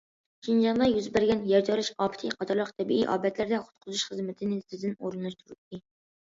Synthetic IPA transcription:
ʃind͡ʒɑnʁɑjyzbæɾɡʲɛnjɛɾd͡ʒɑɾɨʃɑːpʰɪ̥t̪ʰɨqʰɑt̪ʰɑɾlˠəqt̪ʰɛbḭʔḭʔɑ̰ːbɛt̪ʰlæɾd̪ɛχʊ̥t̪̚qʰʊzuʃχəzmɪt̪ʰɪnɪsɪzd̪ɪnoɾɨnɑʃt̪ʰuɾɨt̪ːɨ

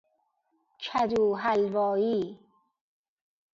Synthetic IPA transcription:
t͡ʃʰæduːɦælvɒːjiː

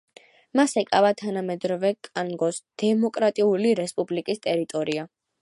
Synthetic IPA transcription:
masɛkʼavat̪ʰanamɛd̪ɾɔvɛkʼaŋɡɔsd̪̥ɛmɔkʼɾat̪ʼiuliɾɛspʼublikʼist̪ʼɛɾit̪ʼɔɾia

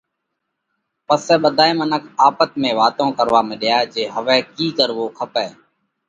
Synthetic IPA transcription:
pəsɛːɓəd̪ʱaːeːmənəkʰaːpət̪mẽːʋaːt̪õːkəɾʋaːməɗɪjaːd͡ʒeːɦəʋɛːkiːkəɾʋoːkʰəpɛː

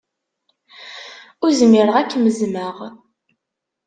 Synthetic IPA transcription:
ʊɾzəmɪɾəʁækːməzməʁ

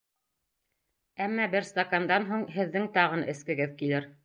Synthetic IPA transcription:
æmːɑbɘɾst̪akand̪ɑnɦuɴɦɘ̆ðːɘŋt̪ɑʁɤnɘ̆skɘ̆ɡɘðkilɘɾ

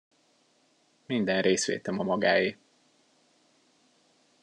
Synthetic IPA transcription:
mind̪ɛnreːsʋḛːt̪ɛmɒmɒɡaːji

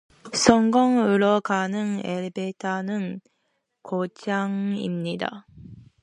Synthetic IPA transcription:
sʰʌŋɡʌŋɯɾʌɡanɯŋeɭbetʰanɯn | kot͡ɕʰaŋḭmɲida̰

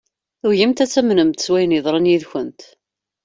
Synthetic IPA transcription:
θuʝimt̪æt͡sːæmnəmt̪ə̥swæjniðˤɾˤənjiðçənt̪

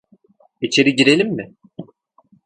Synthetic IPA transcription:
it͡ʃʰe̞ɾiɟiɾe̞lʲimːɪ

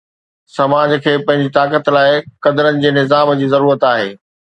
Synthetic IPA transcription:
sɐmaːd͡ʑkʰeːpɐ̃ɦɪ̃ɲd͡ʑit̪aːkət̪laːɪkɐd̪əɾənɪ̆d͡ʑeːnɪzaːmd͡ʑiːzɐɾuːɾət̪aːɦeː

